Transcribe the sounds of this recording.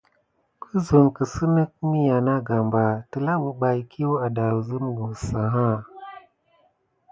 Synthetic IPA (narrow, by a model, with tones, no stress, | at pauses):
kʰə˦zu˨nkə˨sə˦nə˦k̚mi˦ja˨na˦ɡa˨mba˨tə˨la˦bu˨ɓa˨jkʰi˦wa˨da˨wzə˦m˦ɡu˨sa˨ɦa˦˨